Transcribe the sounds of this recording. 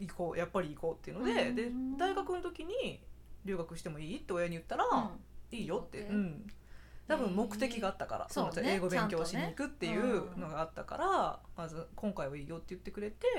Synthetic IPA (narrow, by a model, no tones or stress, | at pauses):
iko̞ːjapːaɾʲiːko̞ːt̪ːe̞iɯ̟nod̪e̞d̪e̞d̪aiɡakɯ̟no̞t̪o̞kʲiɲ̟iɾʲɨ̟ːɡakɯ̟ɕi̥t̪e̞mo̞iːt̪ːe̞ojaɲ̟ijɯ̟t̪ːaɾaiːjo̞t̪ːe̞ɯ̟̃ɴ | t̪abɯ̟̃mmo̞kkɯ̟̥t̪e̞kʲiɡaat̪ːaka̰ɾa̰soot̪ae̞ːɡo̞bẽ̞ŋkʲo̞ːɕiɲiikɯ̟t̪ːe̞jɯ̟ːno̞ɡaːt̪ːa̰ka̰ɾamazɨkõŋkaiβaiːjo̞t̪ːe̞jɯ̟t̪ːe̞kɯ̟ɾe̞t̪e̞